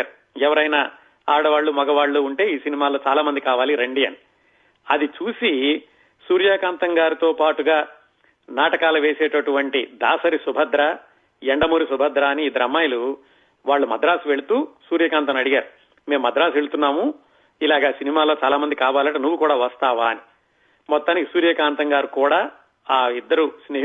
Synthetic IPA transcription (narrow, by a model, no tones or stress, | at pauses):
ɾu | ɛʋɐɾɐjna | aːɽɐʋaːɭːumɐɡɐʋaːɭːuuɳʈe̞ːiːsinimaːlo̞ːt͡ʃaːlaːmɐnd̪ikaːʋaːliɾeɳɖiːɐni | ɐd̪it͡ʃuːsi | suːɾjaːkaːnt̪ɐŋɡaːɾit̪o̞ːpaːʈuɡaː | naːʈɐkaːlɐʋe̞ːseːʈɐʈuʋɐɳʈid̪aːsɐɾisubʱɐd̪ɾa | eɳɖɐmuːɾisubʱɐd̪ɾaːɐniːd̪ɐɾɐmːaːjɐlu | ʋaːɭːumɐd̪ɾaːsuʋe̞ɭut̪uːsuːɾjɐkaːnt̪̬ɐmɐɽiɡaːɾu | me̞ːmːɐd̪ɾaːsʋe̞ɭut̪unːaːmu | ilaːɡaːsinimaːlo̞ːt͡ʃaːlaːmɐnd̪ikaːʋaːlɐʈɐnuʋːukuːɽaːʋɐst̪aːʋaːni | mɔt̪ːaːnikisuːɾjɐkaːnt̪ɐŋɡaːɾukuːɽaː | aːid̪ːɐɾusneː